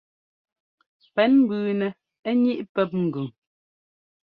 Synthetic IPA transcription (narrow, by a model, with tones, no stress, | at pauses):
pɛ˨˦nm̩˦bʉː˨nɛ˨ | ɛ˦ɲi˦ʔpɛ˦p̚ŋ̩˨ɡʉ˨ŋ